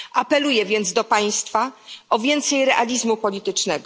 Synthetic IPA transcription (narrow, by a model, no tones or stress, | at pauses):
ʔapɛlujɛvʲjɛnd̪zd̪ɔpaj̃st̪faʔɔvʲjɛnt̪sɛjɾɛʔalʲizmupɔlʲit̪ɘt͡ʂnɛɡɔ